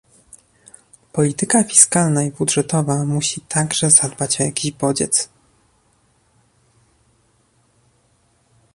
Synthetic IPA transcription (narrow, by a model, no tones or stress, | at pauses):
pɔlʲit̪ɘkafʲi̥skalnaibudʐɛt̪ɔvamuɕit̪ʰaɡʐɛzad̪bat͡ɕɔjakʲiʑbɔd͡ʑɛ̰t̪s